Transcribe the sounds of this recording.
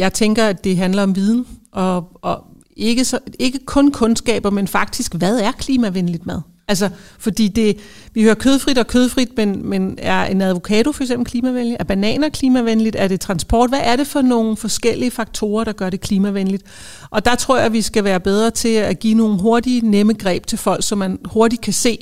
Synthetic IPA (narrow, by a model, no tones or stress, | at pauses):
jɑ̈ɪt͡sʰeŋɡ̥ɐæd̥e̝ɦænlɐɒ̽mʋið̞ˠn̩ʔɒ̽ʔɒ̽ | e̝ɡ̥əsɒe̝ɡ̥əkʰɔ̽nkʰɔ̽nsɡ̥ɛ̰ːb̥ɐmenfɑ̈ɡ̥̚d̥isɡ̥ʋæð̞ˠæɐkʰliːmæʋenlid̥mæð̞ˠ | ʔælsɐfɒ̽d̥ḭːd̥e̝ʋihøːɐkʰøːð̞ˠfʁid̥ɒ̽kʰøːð̞ˠfʁid̥̚menmenæɐe̝næð̞ˠʋo̝kʰɛ̰ːt͡sʰofɒ̽ɐɡ̥semb̥l̩kʰliːmæʋenjəæɐb̥ænɛ̰ːnɒ̽kʰliːmæʋenəlid̥æɐɾ̥e̝t͡sʰʁɑ̈nsb̥ʰɒ̰ːd̥ʋæʔːɐɾe̝fɒ̽no̝ːn̩fɒ̽sɡ̥el̰iəfɑ̈ɡ̥̚t͡sʰo̝̰ːɐɾ̥ɑ̈ɡ̥ɶɐɾe̝kʰliːmæʋenəlid̥ | ʔɒ̽d̥ɑ̈t͡sʰʁo̝ɐ̰jɑ̈ɪʋisɡ̥æʋæːɐb̥eð̞ˠʁɐt͡sʰe̝læɡ̥ḭːno̝ːn̩ɦo̝ɐd̥ineməɡ̥ʁɛ̰ːb̥̚t͡sʰe̝lfɒ̽l̰ɡ̥sɒ̽mːænho̝ɐɾ̥id̥̚kʰæse̝̰ː